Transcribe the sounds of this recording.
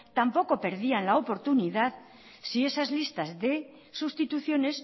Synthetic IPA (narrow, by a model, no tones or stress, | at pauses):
t̪ampo̞ko̞pe̞ɾðianlaopo̞ɾt̪uniðað | sie̞sazlist̪azðe̞ | sust̪it̪uθjo̞ne̞s